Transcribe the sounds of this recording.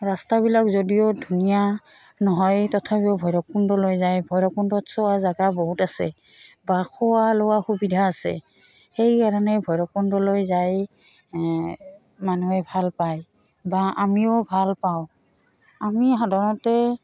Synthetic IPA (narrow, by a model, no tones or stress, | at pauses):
ɹastabilakzodijodʱunija | nɔɦɔjtɔtʰapiʊbʱɔjɹɔk̚undɔlojzajbʱɔjɹɔkundɔtsɔazaɡaboɦutasɛ̰ | bakʰɔwalowaxubidʱaːsɛ̰ | xejkaɹanɛbʱɔjɹɔkundɔlojzaj | manuɛbʱalpaj | baʔamiʊbʱalpaʊ̃ | amiɦadaɹɔtɛ